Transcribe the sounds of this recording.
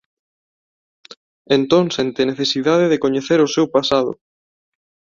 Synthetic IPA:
ent̪õŋsent̪eneθesiðaðeðekoɲeθeɾʊsewpasaðʊ̰

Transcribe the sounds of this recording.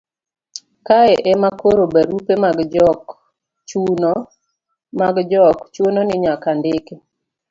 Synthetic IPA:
kaɛʔɛmakoɾobaɾupemaɡd͡ʒɔk | t͡ʃn | maɡd͡ʒɔkt͡ʃwononɪɲakandɪke

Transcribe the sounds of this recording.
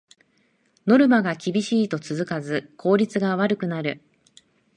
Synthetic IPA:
no̞ɾɯ̟maɡakʲibʲiɕiːt̪o̞t͡sɨzɨkazɨkʰo̞ːɾʲit͡sɨɡaβaɾɯ̟kɯ̟naɾɯ̟

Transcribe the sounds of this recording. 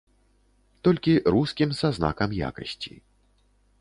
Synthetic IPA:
t̪ɔlʲkʲiɾuskʲimsazna̰kɐmja̰kɐ̰sʲt͡sʲḭ

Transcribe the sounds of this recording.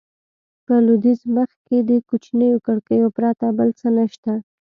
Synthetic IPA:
pəlud̪izməxked̪əkut͡ʃnəjokəɽkəjopɾɑt̪abəlt͡sənəʃt̪a

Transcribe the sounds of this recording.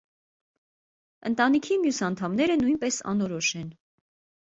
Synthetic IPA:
ənt̪ɑnikʰimjusɑnt̪ʰɑmnɛɾənujnpɛsɑ̰nɔɾɔʃɛn

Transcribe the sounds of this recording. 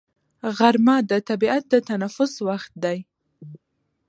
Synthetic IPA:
ɣaɾmɑd̪ət̪abiat̪̚d̪ət̪anafʊswaxt̪̚d̪aj

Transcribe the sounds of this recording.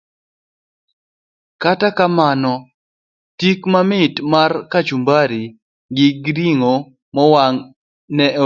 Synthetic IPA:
katakamanɔ | tikmamɪtmarkat͡ʃumbaɾi | ɡɪɡɾiŋo | mɔwaŋ | nɛ

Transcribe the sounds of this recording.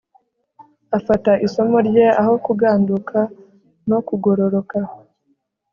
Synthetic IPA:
afataʔiso̞mo̞ɾɟe̞aho̞kuɡaːnduka | no̞kuɡo̞ɾo̞ɾo̞ka

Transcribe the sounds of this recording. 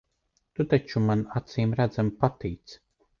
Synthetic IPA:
t̪ut̪at͡ʃumanat̪siːmɾæd̪zampat̪iːt̪s

